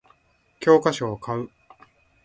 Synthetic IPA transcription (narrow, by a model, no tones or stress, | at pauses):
kʲo̞ːkaɕoːkʰaɯ̟